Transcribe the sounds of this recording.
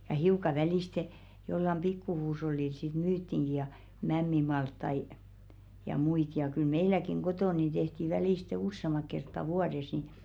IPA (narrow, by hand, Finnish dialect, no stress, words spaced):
jɑ hiukɑ ʋæliste jolːɑm pikːu huːsh̞olːil sit myːtːiŋɡ̊i jɑ mæmːimɑltːɑi jɑ muit jɑ kyl meilækiŋ ɡ̊otoˑn̆ nin d̥ehti ʋæliˑste usːemɑk̆ kertːɑ ʋuɑdes ni